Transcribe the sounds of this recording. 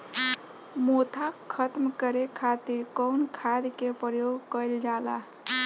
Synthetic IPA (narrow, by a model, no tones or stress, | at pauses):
mot̪ʰakʰət̪mkəɾekʰat̪iɾkəwnkʰad̪kepɾəjoɡkəjld͡ʒala̰